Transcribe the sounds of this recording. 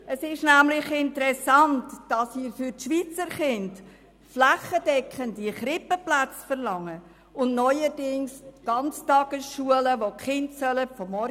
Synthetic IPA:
əsɪʃnæmlɪχɪntəɾɛsɑntd̥ɑsmiːɾfʏɾtʃʋiːt͡səɾχɪnt | flæχəd̥ɛkχəndiχɾɪpəplæt͡sfəɾlɑŋːə | ʊnnɔʏədɪŋsɡ̥ɑnt͡stɑɡ̥əsʃuələʋokχɪndsœləfɔmːɔ

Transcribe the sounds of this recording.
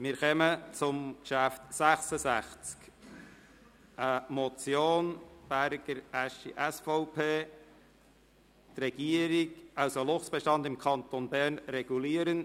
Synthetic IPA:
mɪɾχɛmət͡sʊmkʃæft̪sæχsəsæχt͡sk | ʔəmɔt͡sjoːnb̥æɾɡəɾæʃḭʔɛsfɔʊpʰeː | trɛɡ̥iːəɾɪɡɑwsolʊχsb̥ɛʃtɑnd̪ɪmkʰɑnt̪onbæɾnɾɛɡ̥uliːəɾən

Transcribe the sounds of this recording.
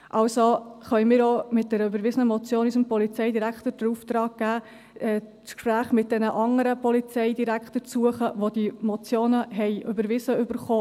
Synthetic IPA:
ʔɑwsoχœʏmɪːɾomɪt̚d̥ɛɾəøbəɾʋɪsənəmɔt͡sjoːnysəmpɔlit͡sɛɪdiɾækχtəd̥əɾuft̪ɾɑːɡ̚ɡ̥æː | ɛː | t͡skʃpɾæːχmɪt̚d̥ɛnəʔɑŋəɾəpʰɔlit͡sɛɪdiɾækχtəɾt͡suəχəʋod̥imɔt͡sjoːnəɦɛɪʔøbəɾʋɪsəʏbəɾχoː

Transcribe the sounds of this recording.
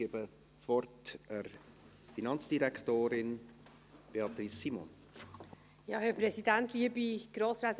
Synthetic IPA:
ebə | t͡svɔɾtəɾ | finɑnt͡sd̥iɾɛktoːɾɪn | b̥eɑt̪ɾisːimɔ̰n | jɑhɛpɾɛsidæntliəbiɡ̥ɾoːsɾaːt

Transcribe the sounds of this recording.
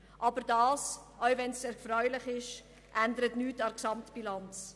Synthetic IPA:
ʔɑbəɾdɑːsœwvɛnsseːɾfrœʏlɪχɪʃ | ʔændəɾətnyːtɑksɑmtb̥ilɑnt͡s

